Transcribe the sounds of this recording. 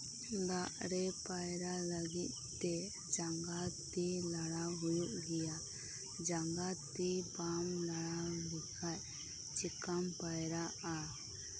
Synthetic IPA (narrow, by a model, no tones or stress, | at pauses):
ɡaʔɾɛpajɾalaɡit̪̚ | t̪ɛ | d͡ʒaŋɡat̪ilaɽaɦujuʔɡija | d͡ʒaŋɡat̪ibamlaɭaɡikʰac | t͡ʃikampajɾaʔa